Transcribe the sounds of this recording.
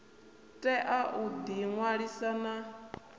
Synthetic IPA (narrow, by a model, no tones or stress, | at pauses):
tʼɛʔaʔud̪iŋwaɺisana